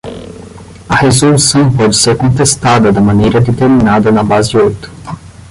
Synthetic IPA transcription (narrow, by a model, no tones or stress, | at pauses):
ɐhezolusɐ̃w̃pɔd͡ʒɪseɾkõnt̪est̪ad̪ɐd̪ɐmɐ̃nejɾɐd̪et̪eɾminad̪ɐnɐbazɪojt̪ʊ